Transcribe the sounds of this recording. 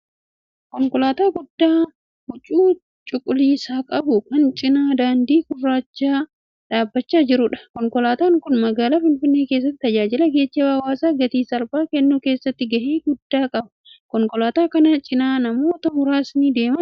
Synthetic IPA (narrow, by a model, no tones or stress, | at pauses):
kɔŋkɔlaːt̪aːɡʊd̪ːaː | hʊt͡ʃʼːuː | t͡ʃʼʊkʼːʊliːsaːkʼɐbʊkɐnt͡ʃʼɪnaːd̪aːnd̪iːkʊrːaːt͡ʃːaː | ᶑaːbːɐt͡ʃːaːd͡ʒɪɾʊᶑɐ̥kɔŋkɔlaːt̪aːŋkʊnmɐɡaːlaːfɪnfɪnːeːke̞ːs̬ːɐt̪ːt̪ɐd͡ʒaːd͡ʒɪlɐɡe̞ːt͡ʃːeːwaːwaːsaːɡɐt̪iːsɐlbaːkɛnːuːke̞ːsːɐt̪ːɪɡɐheːɡʊd̪ːaːkʼɐbɐ̥ | kɔŋkʼɔlaːt̪aːkɐnɐt͡ʃʼɪnaːnɐmo̞ːt̪ɐhʊɾaːsniːd̪e̞ːmɐ